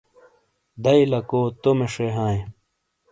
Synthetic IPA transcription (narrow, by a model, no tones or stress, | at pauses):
d̪ɐilɐkoːt̪omeʂeɦãːẽ